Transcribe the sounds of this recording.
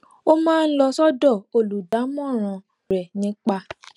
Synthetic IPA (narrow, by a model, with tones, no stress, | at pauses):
o˦mãː˦˧n̩˦lɔ˧sɔ˦dɔ˦˨o˧˨lu˨da˨˦mɔ̃˦˨ɾ̃ã˨ | ɾɛ˨nĩ˨˦k͡pa˧